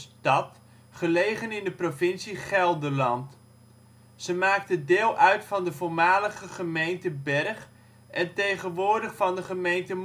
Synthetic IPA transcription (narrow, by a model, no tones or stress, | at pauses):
stɑt | χəlejχənɪndəprovɪnsiχɛlˠdəlɑnt | z̥əmaːk̚tədɪːlˠʔœɥtfɑndəvʊːɹmaːləχəχəmejntəbɛrχ | ʔɛntejχənʋʊːɹdəχfɑndəχəmejntəm